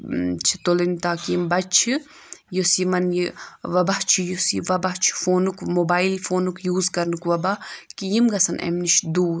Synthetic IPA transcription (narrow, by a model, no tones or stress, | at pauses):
t͡ʃʰi̥t̪olɐnit̪aːkiimbɐt͡ʃʰi | josimɐnjiʋɐbɐht͡ʃʰijosiʋɐbɐɦt͡ʃʰi̥foːnukmobaːilfoːnukjuːzkɐɾnɨkʋɐbakijimɡɐsɐnḛmniʃd̪uː